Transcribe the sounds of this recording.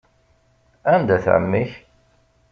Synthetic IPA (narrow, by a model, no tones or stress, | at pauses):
ænd̪æθʕə̰mːiç